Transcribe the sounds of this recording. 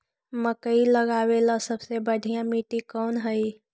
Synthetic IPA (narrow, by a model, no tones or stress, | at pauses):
məkəiləɡawelasəbsebəɖʱijãmiʈikɔːnɦəi